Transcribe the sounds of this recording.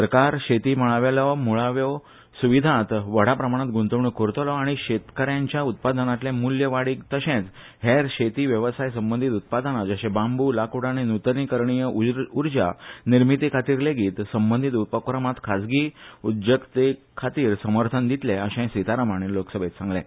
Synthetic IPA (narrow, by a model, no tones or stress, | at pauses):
səɾkaɾɕet̪iːməɭaʋelɔmuɭaʋjɔ | suʋid̪ʱãt̪ʋəɽ̤apɾəmaɽ̃at̪ɡũnt̪əʋɳəkoɾt̪lɔaɽ̃iɕet̪kəɾjãɲt͡ɕjaut̪̚pad̪ənat̪lẽmuljəʋaɽiːkt̪əɕẽt͡s | ɦeɾɕet̪iʋjəʋəsajsəmbənd̪ʱit̪ut̪̚pad̪ənad͡zəɕẽbãmbulakuɽaninut̪nikəɾɳijəuɾd͡ʑa̰niɾmit̪ikʰat̪iːɾleɡiːt̪səmbənd̪ʱit̪ut̪̚pəkɾəmat̪kʰad͡zɡiud̪jəkt̪e | kʰat̪iːɾsəməɾt̪ʰənd̪it̪leəɕɛ̃sit̪aɾəmaɽ̃eloksəbʱet̪sãŋɡlɛ̰̃